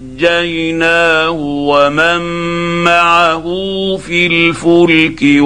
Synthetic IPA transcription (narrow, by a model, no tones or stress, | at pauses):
d͡ʒajnaːhʊwamamːaʕaɦʊfilfʊlkɪ